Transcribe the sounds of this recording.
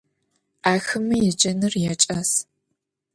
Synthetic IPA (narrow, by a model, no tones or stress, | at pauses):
ʔaːxɨmɐjɛd͡ʒɐnɨrjɛt͡ʃʼɐs